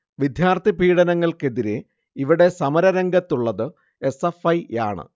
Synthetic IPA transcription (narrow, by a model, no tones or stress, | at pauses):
ʋid̪ʱjaːrt̪ʰibʱiːɽɐnɐŋːɐɭke̞ðiɾe | iʋiɽe̞sɐmɐɾɐɾɐŋɡɐt̪ːuɭːɐðɨ | e̞sefɐja̰ːɳɨ̰